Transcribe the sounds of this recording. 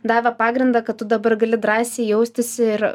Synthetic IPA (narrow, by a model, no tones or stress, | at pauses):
d̪ɑːʋʲɛpɑːɡɾʲɪnd̪ɑːkɐt̪̚t̪ʊd̪ɐbɐɾɡɐlʲɪd̪ɾɑːsʲeːjɛʊsʲt̪ʲɪsʲɪɪɾ